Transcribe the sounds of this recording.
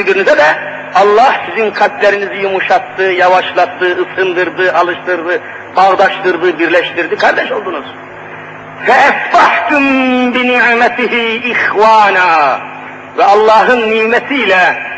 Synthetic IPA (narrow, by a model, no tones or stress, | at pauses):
yɡyɾnizɛd̪ɛ | ɑlˠːɑhsizinqʰɑt̪læɾinizijumuʃɑt̪ːɯjɑvɑʃlˠɑt̪ːɯɯsɯnd̪ɯɾd̪ɯɑlˠɯʃt̪ɯɾd̪ɯ | b̥ɑʁd̪ɑʃt̪ɯɾd̪ɯbiɾlɛʃt̪iɾd̪ikʰɑɾd̪ɛʃo̞lˠd̪unuz̥ | fɛæsbɑħk̪umbiniʕmæt̪ʰiɦiːxwɑːnaː | vɛɑlˠːɑːɦɯnːimæt̪ʰiːlɛ